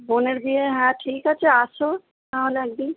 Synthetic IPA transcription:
boneɾbieɦɛ̃ʈʰiːkɦat͡ʃʰeaso | t̪aɦolaɡ̚bi

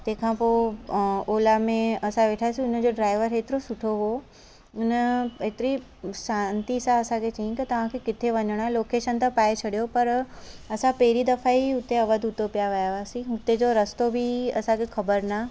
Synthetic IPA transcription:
t̪ɐ̃ɦɪ̃kʰãːpo | oːlamẽɐsãʋeːʈʰaesĩʊnə̆d͡ʑoɖɾaːɪʋəɾeːt̪ɪɾosʊʈʰoɦo | ʊnəeːt̪ɪɾi | ʃãːnt̪isãɐsãkʰet͡ɕɐɦĩk̪ɐt̪ɐʋ̤ãkʰekɪt̪ʰeʋɐɲəɽ̃aloːkeːʃənt̪ãpaːet͡ɕʰɐɽijopɐɾɐsãpɐɦɪɾid̪ɐfaiʊt̪eɐʋəd̪ʱʊt̪opijaʋɐjaʋaːsĩɦʊt̪ed͡ʑoɾɐst̪obʱiɐ̰sãkʰexɐbəɾna

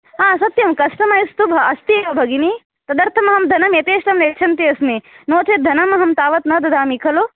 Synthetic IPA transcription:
ɦaːsɐt̪jɐmkɐʂʈɐmɐjst̪ubʱɐɐst̪ieʋɐbʱɐɡini | t̪ɐd̪ɐɾt̪ʰɐmɐɦɐmd̪ʱɐnɐmet̪eːʃʈɐmneːkt͡ʃʰɐnt̪iɐsminoːt͡ʃed̪ʱɐnɐmɐɦɐmt̪aːʋɐt̪nɐd̪ɐd̪ʱaːmikʰɐlo

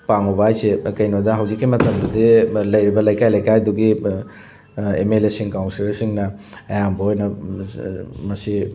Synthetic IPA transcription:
paŋɔbaːjsekɐjnodɐɦawzikːimɐtɐmdudilɐjɾibɐlɐjkajlɐjkajduɡi | ḛmelesiŋkawnsilɐsiŋnɐ | ɐjambɐɔjnɐ | mɐsi

